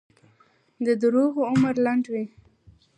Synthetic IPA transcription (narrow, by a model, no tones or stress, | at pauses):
d̪əd̪əɾoɣoʊməɾlaɳɖwi